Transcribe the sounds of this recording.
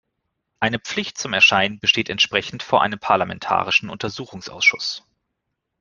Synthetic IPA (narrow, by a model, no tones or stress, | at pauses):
ʔaɪnəp͡flɪçt̚t͡sʊmɛɐʃaɪnənbəʃteːtɛntʃpʁ̥ɛçn̩tfoːɐʔa̰ɪnəmpʰaɐlamɛ̰ntʰa̰ːʁɪʃn̩ʔʊntɐzuːxʊŋsʔa̰ʊsʃʊs